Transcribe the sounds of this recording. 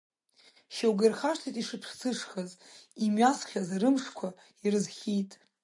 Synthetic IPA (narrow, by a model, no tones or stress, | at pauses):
ʃawɡarχaʂtʰijtʼiʂɨpʰʂt͡sʰɨʂχazimɥasχʲazrɨmʂkʷʰa | irɨzχʲijtʼ